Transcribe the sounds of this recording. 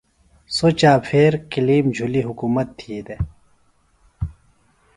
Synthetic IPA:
sot͡ɕaːpʰeːɾkiliːmd͡ʑʱuliɦukuːmɐt̪ʰːid̪e

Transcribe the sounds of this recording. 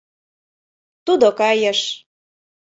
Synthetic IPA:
t̪ud̪okɑjəʃ

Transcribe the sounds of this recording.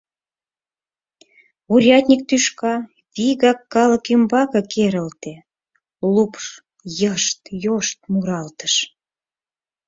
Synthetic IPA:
uɾʲɑt̪ʲnʲik̚t̪yʃkɑ | βiɣɑkːɑləkymbɑkɤkʰeɾəlt̪e | lupʃ | jəʃt̪joʃt̪̚muɾɑlt̪ə̥ʃ

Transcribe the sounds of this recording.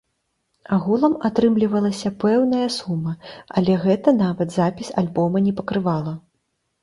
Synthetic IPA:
aɣulˠɐmat̪ɾɨmlʲivɐlˠɐsʲɐpɛwnɐjɐsumːɐɐ̰lʲɛɣɛt̪ɐnavɐt̪zapʲisʲalʲbɔmɐnʲɛpɐkɾɨvalˠɐ

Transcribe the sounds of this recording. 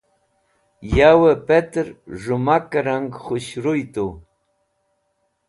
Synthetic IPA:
jawəpet̪ɾʐʊmakɾaŋχʊɕɾʊjt̪ʊ

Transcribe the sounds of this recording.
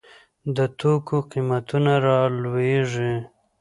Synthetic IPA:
d̪ət̪okʰoqimat̪unaɾɑlweʐi

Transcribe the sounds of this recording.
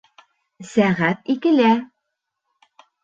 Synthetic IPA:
sæʁæt̪̚ikɘ̆læ

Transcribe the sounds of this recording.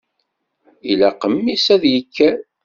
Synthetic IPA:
ilæqəmːisæðjəkʰːæɾ

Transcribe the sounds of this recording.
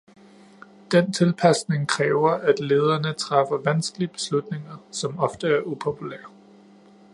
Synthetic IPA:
d̥ent͡sʰe̝lpʰæsne̝ŋkʰʁɛːʊɐʔæd̥le̝ːð̞ˠɐnət͡sʰʁɑ̈fɐʋænsɡ̥əliəb̥e̝̥slud̥ne̝ŋɐsɒ̽mɒ̽fd̥əæɐʔupʰo̝pʰulæɐ̰

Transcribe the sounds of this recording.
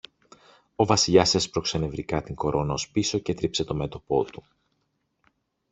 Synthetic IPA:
o̞vɐsiʎɐsɐspɾo̞kse̞ne̞vɾikɐt̪iŋɡo̞ɾʔo̞nɐospiso̞ce̞t̪ɾipse̞t̪o̞me̞t̪o̞po̞̰t̪u̥

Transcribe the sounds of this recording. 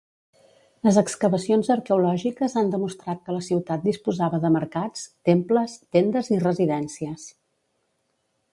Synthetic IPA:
ləzəkskəβəsionzəɾkəulɔʒikəzand̪əmust̪ɾat̪̚kələsiwt̪at̪̚d̪ispuzaβəðəməɾkat͡st̪empləst̪end̪əzirəziðɛnsiəs

